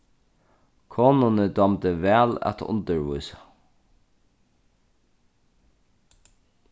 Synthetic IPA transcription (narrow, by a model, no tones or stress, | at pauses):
kʰoːnʊnəd̪ɑmd̪əʋæːlɛ̰t̪ʊ̰nd̪əɹʋṵʏsə